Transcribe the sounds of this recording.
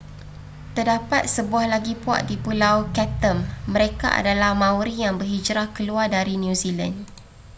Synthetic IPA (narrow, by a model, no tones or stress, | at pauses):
t̪ərdapat̪̚səbuahlaɡipua̰ʔdipulawkɛt̪əmːə̃ɾeka̰ʔa̰dalahmãwɾijaŋbərid͡ʒɾakəluardaɾinjũzila̰n